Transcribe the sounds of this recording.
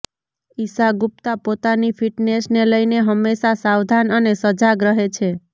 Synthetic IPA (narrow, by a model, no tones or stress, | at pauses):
isaɡup̚t̪apot̪anifʰiʈnesneləjneɦəmːeʃasawd̪ʱanənesəd͡ʒaɡɾəɦet͡ʃʰe